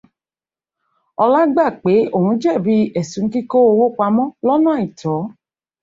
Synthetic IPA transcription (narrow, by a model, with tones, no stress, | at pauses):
ɔ˧la˦ɡ͡ba˦˨k͡pe˨˦o˦˨hũ˨˦d͡ʒɛ˦˨bi˧˦ɛ˨sũ˨ŋ̩˦ki˦ko˦o˧wo˦k͡pa˧˦mɔ̃˦lɔ˦nã˦˨i˨tɔ˨˦